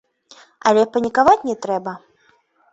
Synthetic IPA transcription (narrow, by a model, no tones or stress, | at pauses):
ɐlʲɛpɐnʲikavat͡sʲnʲɛt̪ɾɛbɐ